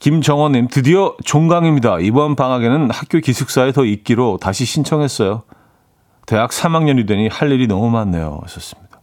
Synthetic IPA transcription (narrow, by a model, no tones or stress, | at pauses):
kimd͡ʑʌŋwʌɲːimtɯdiʌt͡ɕoŋɡaŋimɲidaibʌnpaŋaɡe̞nɯnhak̚k͈jokisʰɯk̚s͈aetʌik̚k͈iɾotaɕʰiɕʰint͡ɕʰʌŋɦe̞s͈ʌjo | te̞jak̚s͈ʰamaŋɲʌnidweɲihaʎːiɾinʌmumanːe̞̰jo̰ʌ̰s͈ʌs͈ɯ̥mɲid̥a